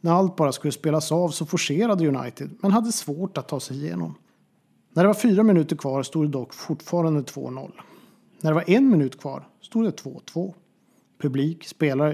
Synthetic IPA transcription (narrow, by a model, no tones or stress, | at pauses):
næɾalt̪̚bɑːɾaskɵlːəspeːlasɑːvsɔfʊʂeːɾad̪əjɵna̰jt̪ɪd̪mɛnɦad̪ːəsvoːʈat̪ʰːɑːsɛjɪjḛːnɔ̰m | næɖɛvaɾfyːɾamɪnʉ̟ːt̪əɾkʰvɑːɾst̪uːd̪ɛd̪ɔkːfʊʈːfɑːɾand̪ət̪ʰv̥o̰ːnɔ̰lː | næɖɛvaɾʔɛnmɪnʉ̟ːt̪kʰv̥ɑ̰ːɾ | st̪uːd̪d̪ɛt̪ʰvo̰ːt̪ʰv̥oː | pʰɵbliːkspeːlaɾə